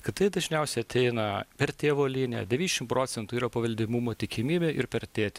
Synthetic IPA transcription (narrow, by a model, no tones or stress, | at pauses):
kʲɪt̪ɐɪd̪ɐʒʲnʲɛʊsʲɛɪɐt̪ʲʰɛɪnɐpʲɛɾt̪ʲeːʋoːlʲiːnʲɛ̰d̪ʲɛʋʲiːnʲɛʃʲɪmpɾoːsʲɛnt̪uːiːɾɐpɐʋʲɐlʲd̪ʲɪmumoːt̪ʲɪkʲɪmʲiːbʲeʔɪɾpʲɛɾt̪ʲeːt̪ʲ